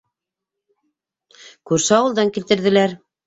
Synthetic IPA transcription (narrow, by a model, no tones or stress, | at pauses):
kʉɾsɘɑwɤ̆lˠd̪ɑŋkilt̪ɘ̆ɾðɘ̆læɾ